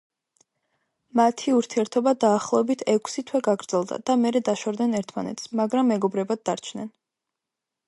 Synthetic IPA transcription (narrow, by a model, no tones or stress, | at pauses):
mat̪ʰiuɾt̪ʰiɛɾt̪ʰɔbad̪aːχlˠɔɛbit̪ʰɛkʰsit̪ʰwɛɡaɡɾd̪z̥ɛlˠd̪a̰d̪̥amɛɾɛd̪aʃɔɾd̪nɛnɛɾt̪ʰma̰nɛ̰t̪ʰsmaɡɾamːɛɡɔbɾɛbad̪̚ːaɾt͡ʃʰnɛn